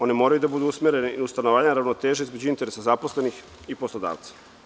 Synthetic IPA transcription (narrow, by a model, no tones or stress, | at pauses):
o̞nemo̞ːɾajud̪abud̪uusmeɾeniust̪anoʋaːɲaaɾaʋnot̪e̞ːʒeizmed͡ʑuint̪e̞ɾesazaposle̞nix | ipo̞slˠod̪a̰ːʋt̪sḁ